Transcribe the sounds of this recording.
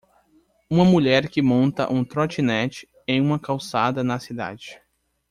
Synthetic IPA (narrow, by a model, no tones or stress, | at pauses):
ũmɐmuʎɛɾkɪmõnt̪ɐ̰ʔũt̪ɾot͡ʃinɛt͡ʃɪ̥ | ẽj̃ũmɐkawsad̪ɐnɐsid̪a̰d͡ʒɪ